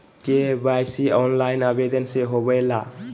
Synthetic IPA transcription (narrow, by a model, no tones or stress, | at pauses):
kebajsiɔnlajnabedenseɦobajla